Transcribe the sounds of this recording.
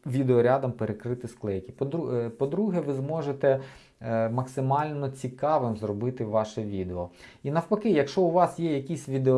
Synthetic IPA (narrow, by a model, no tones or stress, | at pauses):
ʋʲid̪eɔɾʲad̪ɐmpeɾekɾɪt̪ɪsklˠɛjkʲipd̪pɔd̪ɾuɦɛʋɪzmɔʒet̪ɛ | mɐksɪmɑlʲnɔt͡sʲikɑʋɪmzrɔbɪt̪ɪʋɑʃɛʋʲid̪eɔinɐwpɐkɪjɐkʃt͡ʃɔʊʋɑsjɛjɐkʲisʲʋʲid̪eɔ